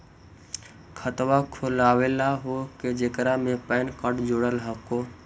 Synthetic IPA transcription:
kʰət̪wakʰolaːwelaɦoked͡ʒekɾamẽpəɪnkəʈd͡ʒoːɽəlɦəko

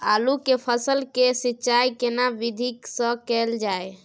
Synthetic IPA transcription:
alukepʰəsəlkesitːt͡ʃajkenabid̪ʱiksə̃kɛld͡ʒae

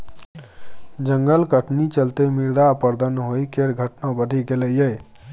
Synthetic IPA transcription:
d͡ʒəŋɡəlkəʈnit͡ʃəlt̪emiɾd̪apəɾd̪ənɦojkeɾɡʱəʈnabəɖʱiɡeləjəj

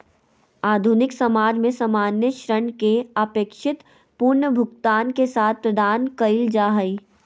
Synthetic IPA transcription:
aːd̪ʱunɪksɐmaːd͡ʒmẽsɐmaːnjəʃɾəɳkeəpeːkʃɪt̪ | pʊɾɳəbʱʊɡt̪aːnkesaːt̪̚ʰpɾəd̪aːnkəɪld͡ʒaːɦəi

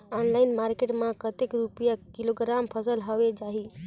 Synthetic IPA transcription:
ɔnlaɪnmaɾkeʈmãkət̪ekɾupjakiloɡɾampʰəsəlɦəʋed͡ʒaɦi

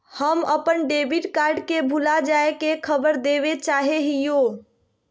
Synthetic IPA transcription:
həməpənɖebiʈkaɾɖkebʱulad͡ʒaekekʰəbəɾd̪eʋet͡ʃaɦeɦijo

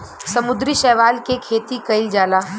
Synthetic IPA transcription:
sɐmʊd̪ɾiʃɛːʋaːlkekʰeːt̪ikɐɪld͡ʒaːlaː

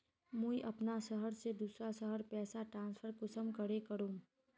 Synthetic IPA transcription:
mũiʔɐpnasəɦəɾsed̪uːsɾasəɦəɾpɛːsaʈɾãːnspʰəɾkʊsəmkəɽekəɾũː

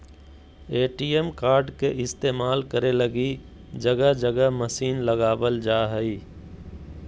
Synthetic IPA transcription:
eːʈiːemkaːɾɖkeʔɪst̪eːmaːlkəɾeləɡi | d͡ʒəɡəd͡ʒəɡəɦməsiːnləɡaːbəld͡ʒaːɦəi

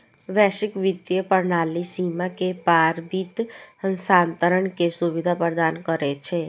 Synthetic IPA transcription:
ʋɛːʃɪkʋɪd̪jəpəɾnaːlisiːmakepaːɾbiːt̪ənsaːnt̪əɾəɳkesʊʋɪd̪ʱapəɾd̪aːnkəɾet͡ʃʰeː

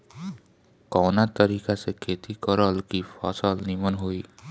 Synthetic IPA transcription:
kɔwnat̪ʌɾikasekʰet̪ikɔɾʌlkipʰʌ̰sʌlnimʌnɦoj

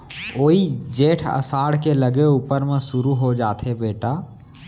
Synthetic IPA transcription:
oːid͡ʒeːʈʰə̰saːɽkeləɡeuːpəɾmẽsʊɾuɦod͡ʒaːt̪ʰebeːʈaː

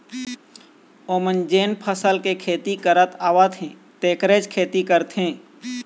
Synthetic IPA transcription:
oːmənd͡ʒeːnpʰəsəlkekʰeːt̪ikəɾət̪aːʋət̪ɦẽ | t̪eːkɾeːd͡ʒkʰeːt̪ikəɾt̪ɦẽː

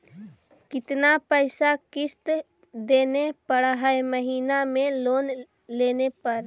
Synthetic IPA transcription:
kɪt̪napəɪsakɪst̪ | d̪eːnepəɽɦəeməɦiːnamẽloːn | leːnepəɾ

